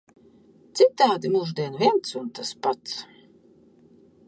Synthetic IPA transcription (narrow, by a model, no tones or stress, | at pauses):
t̪sit̪ːaːd̪imuʒd̪iɛnvʲiɛnt̪sunt̪aspat̪s